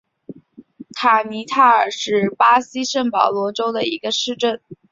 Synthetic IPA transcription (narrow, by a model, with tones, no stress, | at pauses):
t̪ʰa˨˩ni˧˥t̪ʰa˥˩ə˞˨˩ʂɻ̩˥˩pa˥si˥ʂə˥˩ŋpɑ˨˩ʊlwɔ˧˥ʈ͡ʂo˥ʊd̪ə˨i˧˥ɡə˧ʂɻ̩˥˧ʈ͡ʂə˥˩n